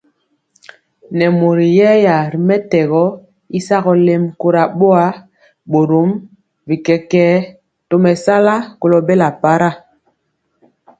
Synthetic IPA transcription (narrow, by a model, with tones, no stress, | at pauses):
nɛ˨mo˨ɾi˨jɛ˦ja˨ɾi˨mɛ˦tɛ˨ɣɔ˦ | i˦sa˦ɣɔ˨le˦mko˦ɾa˨ɓo˦a˦ | ɓo˨ɾo˨˦m | vi˨kɛ˨kɛː˦ | to˦mɛ˨sa˦la˦ko˨lɔ˨be˦la˨pa˦ɾa˦˨